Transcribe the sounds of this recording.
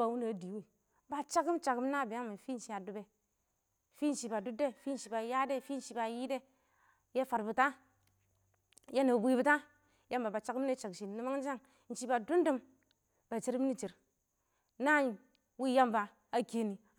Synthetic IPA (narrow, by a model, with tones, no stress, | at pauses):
a˨wu˦na˨di˨wi˦ | ba˨t͡ʃa˦kɨ˦mt͡ʃa˨ki˦m˦na˦˨bi˨ja˦ŋmi˨fi˦n̩˨ʃi˨a˨du˨be˨ | fi˦n̩˦ʃi˨ba˨du˦de˦fi˦n̩˨ʃi˨ba˨ja˦de˦˨fi˦n̩˦ʃi˧ba˨ji˦de˦ | je˦fa˨ɾbu˨ta˦ | je˦ne˨bʷi˦bu˦ta˦ | ja˦mba˨ba˨t͡ʃa˦km˦ne˦t͡ʃa˨kʃi˨ni˦ma˦ŋn˦d͡ʒa˦ŋ | n̩˨t͡ʃi˦ba˨du˦n˦du˦m | ba˨t͡ʃi˦ɾi˦m˦ni˦t͡ʃi˨ɾ | na˦˨ | wi˦ja˦mba˨ | a˦ke˨ni˨